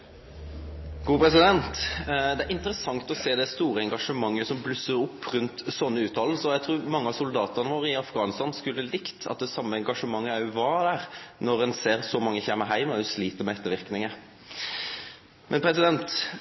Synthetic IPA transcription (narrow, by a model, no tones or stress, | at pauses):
ɡ̥uːpʰɾɛsɪd̪ɛnt̪d̪ɛæɾɪnt̪əɾəsɑŋt̪ɔseːd̪ɛst̪uːɾəɛŋɡɑʂəmɑŋːəsɔmblʉsəɾʊpːɾʉnt̪sɔnːəʉːt̪ʰɑːll̩səɔjæɪt̪ʰɾuːɾmɑŋːəɑsʊld̪ɑːt̪əʁnəʋoːɾəɪɑfɡɑːnst̪ɑnskʉlːəlɪkt̪ʰɑ̰t̪̚d̪ɛsɑmːəɛŋɡɑʂəmɑŋːəæʉʋɑd̪æːɾnɔɾɛnseːɾsɔmɑŋːəçæmːəɦæɪmsliːt̪əɾmɛɛt̪ːəɾʋɪɾknɪŋə | mʔɛnpʰɾɛsɪd̪ɛnt̪